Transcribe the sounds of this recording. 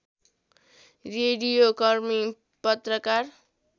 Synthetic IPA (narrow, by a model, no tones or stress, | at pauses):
reɽijokʌrmi | pʌt̪rʌkar